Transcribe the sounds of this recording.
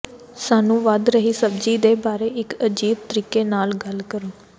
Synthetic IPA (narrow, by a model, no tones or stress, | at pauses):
saːnũːʋəd̪ɾəɦiːsəbd͡ʒiːd̪eːbaːɾeːɪkəd͡ʒiːb̚t̪əɾiːkeːnaːlɡəlkəɾoː